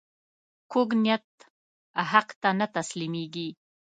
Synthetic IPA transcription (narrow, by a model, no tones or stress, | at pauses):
koɡnjat̪ | ɦaqt̪anat̪aslimeɡi